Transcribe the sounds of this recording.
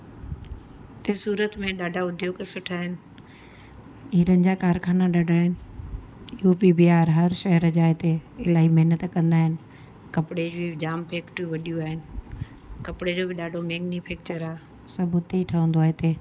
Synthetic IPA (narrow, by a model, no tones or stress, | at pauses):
t̪esuːɾət̪mẽɗaːɖʱaʊd̪ʱjoːɡsʊʈʰaːɦɪnɪ̆ | iːɾənɪ̆d͡ʑaːkaːɾkʰaːnaɗaːɖʱaːɦɪnɪ̆ | jɦupibiaːɾɦɐɾʃɐɦəɾəd͡ʑaːɦet̪eɪlaːɦimɐɦnət̪kɐ̃nd̪aːɦɪnɪ̆ | kɐpɽeːd͡ʑbɪd͡ʑaːmpʰeːkʈʋɐɗijuaːɦɪnɪ̆ | kɐpɪɽed͡ʑoːbɪɗaːɖʱomeːɡnifʰeːk̚t͡ɕəɾaː | sɐbʱʊt̪eiʈʰɐʋə̃nd̪oaːɦet̪eː